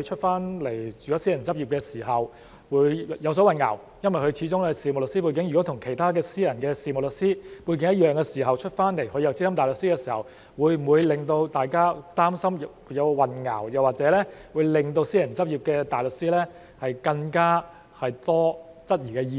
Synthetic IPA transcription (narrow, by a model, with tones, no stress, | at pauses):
jt͡ʃʰɵ˥t̚faː˥nle˨˩jt͡ʃyː˨jɔː˨˥siː˥jɐ˨˩nt͡sɐ˥p̚jiː˨p̚kɛː˧siː˨˩ɦɐ˨˩w | wuː˨˧˥jjɐ˨˧ws̬ɔ˨˥wɐ˨nŋɐ̰˨˩w | jɐ˥nwɐ˨˩jkɵ˧ɥt͡sʰiː˨˥t͡sʊ˥ŋlɛ˥siː˨mo˨lɵ˨ksiː˥pu˧jk̬ɪ˨˥ŋjyː˨˩ɔ˨˥t̪ʰʊ˨˩ŋkʰe˨˩jt̪ʰaː˥k̬ɛː˧siː˥jɐ˨˩nkɛː˧siː˨˧mo˨˩lɵ˨k̚siː˥pu˧jk̬ɪ˧˥ŋjɐ˥t̚jœː˨ŋkɛː˧siː˨˩ɦɐ˨wt͡ʃʰɵ˥t̚faː˥nle˨˩jhɵ˨˧ɥjɐ˨˧wt͡siː˥sɐ˥mt̪aː˨jlɵ˨˩ksi˥kɛː˧siː˨˩hɐ˨˩w | wuː˨˧jm̩˨˩wuː˨˧jlɪ˨ŋt̪o˧wt̪aː˨jkaː˥t̪aː˥msɐ˥mjjɐ˨˧wwɐ˨nŋa̰˨˩wjɐ˨waː˨˩t͡sɛː˨˥lɛː˥wu˨˧jlɪ˨ŋt̪o˧wsiː˥jɐ˨˩nt͡sɐ˥p̚jiː˨˩p̚kɛː˧t̪aː˨jlɵ˨k̚siː˥lɛ˥ | hɐ˨jkɐ˧ŋkaː˥ | hɐ˨jt̪ɔː˥ | t͡sɐ˥t̚jiː˨˩kɛː˧jiː˧